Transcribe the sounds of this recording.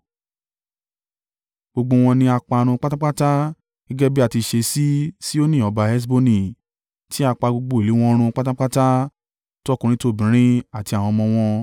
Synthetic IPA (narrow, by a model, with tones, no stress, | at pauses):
ɡ͡bo˧ɡ͡bo˧w̃ɔ̃˧nĩ˧a˧k͡pa˧ɾ̃ũ˧k͡pa˦ta˦k͡pa˦ta˦ | ɡ̥ɛ˦ɡɛ˦bi˦a˦˨ti˧ʃe˧si˦si˦o˦nĩ˦˨ɔ˨˧ba˧ɛ˦s̬bo˦nĩ˨ | ti˦a˧k͡pa˧ɡ͡bo˧ɡ͡bo˧i˨i˨˦w̃ɔ̃˦ɾ̃ũ˧k͡pa˦ta˦k͡pa˦ta˦ | to˦ɔ˦˨kũ˧ɾ̃ĩ˧˦to˧˦˨bĩ˨˦ɾ̃ĩ˦a˦˨ti˧a˨w̃ɔ̃˧mɔ̃˧w̃ɔ̃˧